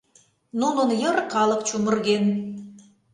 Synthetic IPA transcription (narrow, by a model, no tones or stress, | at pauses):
nununjɤrqɑlˠɤqt͡ɕumə̆rɣen